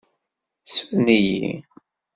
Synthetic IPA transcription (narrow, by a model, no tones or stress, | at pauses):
suðnijḭ